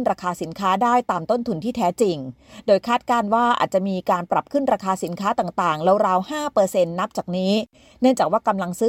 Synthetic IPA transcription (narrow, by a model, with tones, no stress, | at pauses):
nɾaː˧kʰaː˧si˩˦nkʰaː˦˥daː˥˩jt̪aː˧mt̪o˥˩nt̪ʰu˧nt̪ʰiː˥˩t̪ʰɛː˦˥t͡ɕi˧ŋdoː˧jkʰaː˥˩t̪̚kaː˥˩nwaː˥˩ʔa̰ː˨˩t̪̚t͡ɕa˨˩miː˧kaː˧npɾa˨˩p̚kʰɯ˥˩nɾaː˧kʰaː˧si˩˦nkʰaː˦˥t̪aː˨˩ŋt̪aː˨˩ŋlɛː˦˥wɾaː˧whaː˥˩pɤː˧se˧nːa˦˥p̚t͡ɕaː˨˩k̚niː˦˥ | nɯ˥˩əŋt͡ɕaː˨˩k̚waː˥˩ka˧mla˧ŋsɯː˦˥